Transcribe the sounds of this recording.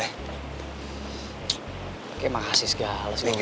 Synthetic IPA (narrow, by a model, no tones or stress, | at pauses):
ɛh | kemaasisə̥ɡ̥alas